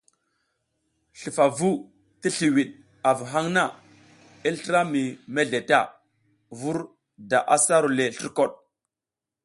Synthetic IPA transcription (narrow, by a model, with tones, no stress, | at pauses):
ɬi˨fa˨vu˦ | ti˦ɬi˨wi˨ɗ | a˨vu˨ɦa˦ŋna˦˨ | i˦ltɾa˦mi˨me˦ɮe˨ta˦˨ | vu˦ɾ | da˨ʔa˨sa˦ɾu˨le˨ɬi˦ɾko˦˨ɗ̚